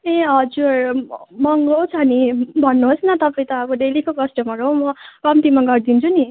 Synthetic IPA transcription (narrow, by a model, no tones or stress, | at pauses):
eʌd͡zurmʌŋɡot͡sʰʌnibʱʌnːuɦosnʌt̪ʌpaĩt̪ʌːbʌɖelikokʌsʈʌmʌɾɦomʌpʌmt̪imaɡʌɾd̪int͡sʰuni